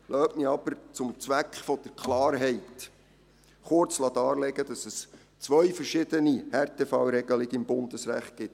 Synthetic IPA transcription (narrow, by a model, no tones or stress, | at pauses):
lʔœːtmiɑb̥əɾt͡sʊmt͡sʋækχfɔd̥əɾkʰlɑːɾɦɛjt | χʊɾt͡slɑt̪ɑːɾlɛɡəd̥̪ɑsɛs | t͡sʋœɥfəɾʃɪd̪ənihɛɾt̪efɑwɾɛɡəlɪɡəɪmbʊnd̪əsɾæ̰χt̚ɡ̥ɪt